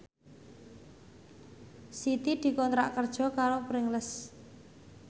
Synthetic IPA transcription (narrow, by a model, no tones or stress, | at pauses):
sit̪id̪̥i̤kɔnt̪ɾa̰ʔkərd̥ʒ̥ɔ̤kaɾopɾɪŋləs